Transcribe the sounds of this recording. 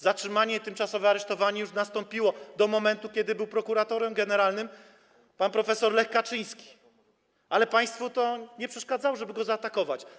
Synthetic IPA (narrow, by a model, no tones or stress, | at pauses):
zatʂɘmaɲɛt̪ɘmt͡ʂasɔvɛaɾɛʂt̪ɔvaɲɛjuʂnast̪ɔmpʲiwɔd̪ɔmɔmɛnt̪ukʲɛd̪ɘbɘwpɾɔkuɾat̪ɔɾɛmɡɛnɛɾalnɘm | panpɾɔfɛsɔɾlɛxkat͡ʂɘj̃skʲi̥ | alɛpaj̃st̪fut̪ɔɲɛpʂɛʂkad̪zawɔʐɛbɘɡɔzaːt̪akɔvat͡ɕ